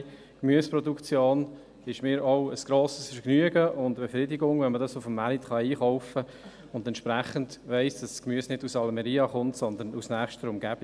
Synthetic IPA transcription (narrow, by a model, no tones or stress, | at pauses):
kmyəspɾɔdukt͡sjoːn | ɪʃmɪːɾɔʊəsɡ̥ɾoːsə̥sfknyəɡəʔʊndb̥efɾɪdiɡʊŋvɛnmədɑsʊfəmːæɾit̪χɑiːχɔʊfə | ʊndɛnt̪t͡ʃʃpɾæχəndʋɛɪsd̥ɑsskmyəsnɪdusɑlmɛɾiːɑχʊntsɔnd̪ənusnæːχʃtəɾʊmɡ̥æb̥